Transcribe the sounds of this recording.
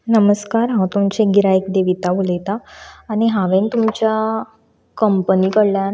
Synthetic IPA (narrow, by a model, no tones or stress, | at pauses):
nəməskaɾɦãt̪umt͡ɕeɡiɾajekd̪eʋit̪aʋulet̪aːñiɦãʋent̪umt͡ɕja | kəmpəniːkəɽlja